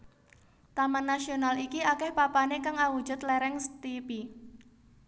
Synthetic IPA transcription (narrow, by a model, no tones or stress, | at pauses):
t̪amanːasionalikiakɛhpapanekaŋawu̥d͡ʒʊt̪lɛɾɛŋst̪ipi